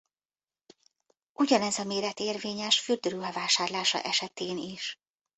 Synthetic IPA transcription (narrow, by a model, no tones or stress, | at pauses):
ʔuɟɒnɛzɒmeːɾɛt̪eːrveːɲɛʃfyrd̪øɾyɦɛvaːʃaːrlaːʃɒ̰ʔɛʃɛt̪eːniʃ